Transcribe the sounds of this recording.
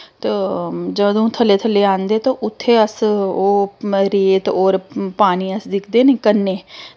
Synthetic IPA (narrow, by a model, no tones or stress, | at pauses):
t̪eːd͡ʒəd̪õːt̪ʰəleːt̪ʰəleːãːnd̪eːt̪õːʔʊt̪ʰːeːəsoːɾeːt̪ɔːɾpaːniːəsd̪ɪkʰd̪eːneːkənːeː